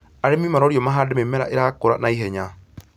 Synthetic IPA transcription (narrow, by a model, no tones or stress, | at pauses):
aɾemimaɾɔɾjɔmaɦaːdememɛɾa̰ʔeɾakoɾa̰naiɦɛɲa